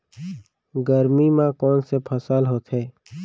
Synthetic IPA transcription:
ɡəɾmimãkɔːnsepʰəsaːlɦoːt̪ɦɛː

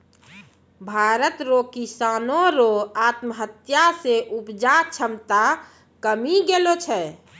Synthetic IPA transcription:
bʱaɾət̪ɾokisaːnoɾoaːt̪mɦət̪jaseʔupd͡ʒat͡ʃʰəmt̪a | kəmiɡelot͡ʃʰɛ

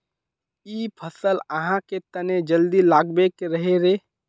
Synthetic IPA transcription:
iːpʰəsəlɐɦãket̪ɐned͡ʒəld̪ilaːɡbekeɾɐɦeɾeː

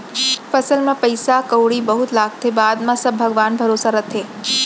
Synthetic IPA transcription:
fəsəlmãpəjsakəwɽibəɦut̪laːɡ̚t̪ʰebaːd̪mãsəbbʱəɡʋaːnbʱəɾoːsaɾət̪ʰeː

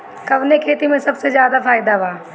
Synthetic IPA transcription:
kɐʋnekʰeːt̪imẽsɐbsezjaːd̪apʰaːɪd̪aʋaː

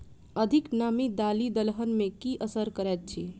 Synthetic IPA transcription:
əd̪ʱiknamid̪alid̪əlɦənmẽkiʔəsəɾkəɾɛt̪̚t͡ʃʰi

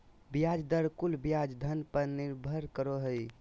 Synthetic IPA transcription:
bijad͡ʒd̪əɾkulbijad͡ʒd̪ʱənpəɾniɾbʱəɾkəɾoɦəj

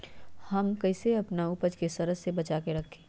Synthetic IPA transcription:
hɐmkɐɪseɐpnaupəd͡ʒkesɐɾəsːebɐt͡ʃaːkeɾɐkʰẽ̥ː

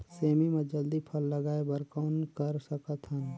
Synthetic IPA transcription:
seːmimẽd͡ʒəld̪ipʰəlːəɡaːebəɾkaʊnkəɾsəkət̪ɦən

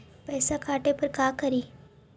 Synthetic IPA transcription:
pəjsakʰaʈepəɾkakəɾiː

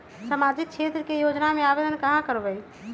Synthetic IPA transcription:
səmad͡ʒik̚t͡ʃʰet̪ɾəkejod͡ʒnameabed̪ənkəɦãkəɾbəj

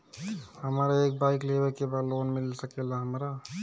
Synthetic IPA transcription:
həmɾaek̚baiklebɛkebad̪lonmilsəkelaɦəmɾa

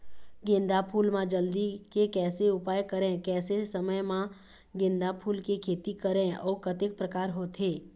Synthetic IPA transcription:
ɡẽnd̪apʰuːlmãd͡ʒəld̪ikekɛːseʊpaːjkəɾẽkɛːsesəməjmã | ɡɪ̃nd̪apʰuːlkekʰeːt̪ikəɾẽɔːkət̪ɪk̚pɾəkaːɾɦoːt̪ʰeː

